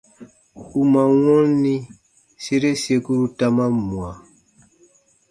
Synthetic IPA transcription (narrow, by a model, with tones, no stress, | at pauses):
u˨mã˨wɔ̃˦lnĩ˦ | se˦ɾe˦se˧ku˦ɾu˦ta˦mã˦mũ˨a˨